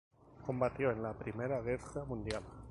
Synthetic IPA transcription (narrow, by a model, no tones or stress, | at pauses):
kõ̞mbat̪joenlapɾimeɾaɣ̞eramũnd̪jal